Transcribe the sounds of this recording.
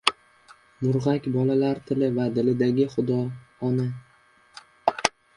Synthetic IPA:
mʊɾʁakʲbɒlalaɾt̪ʰɪlɪvad̪ɪlɪd̪aɡʲɪχʊd̪ɒː | na

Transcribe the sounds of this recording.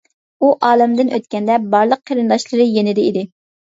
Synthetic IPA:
uʔɑːlˠɪmd̪ɪnʔøt̪̚kʲɛnd̪ɛbɑɾlˠəqʰːəɾɨnd̪ɑʃlˠɨɾɨjenɪd̪ɪid̪ɪ

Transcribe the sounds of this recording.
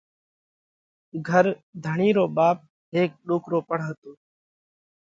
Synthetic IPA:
ɡʱəɾd̪ʱəɳiːɾoːɓaːp̚ | ɦeːk̚ɗoːkɾoːpəɽ̤ɦət̪oː

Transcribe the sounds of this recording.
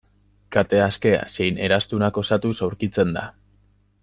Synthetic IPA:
kat̪e̞aske̞a̰se̞jne̞ɾast̪unako̞sat̪usawɾkit͡se̞nd̪a̰

